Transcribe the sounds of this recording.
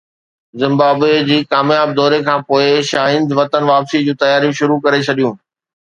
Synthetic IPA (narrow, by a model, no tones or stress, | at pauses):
zɪ̃mbaːbed͡ʑiːkaːmjaːb̚d̪ɔːɾekʰãːpoːɪʃaːɦɪ̃nd̪ʋɐt̪ənʋaːpsid͡ʑũːt̪ɐjaːɾijũʃʊɾukɐɾet͡ɕʰɐɗijũː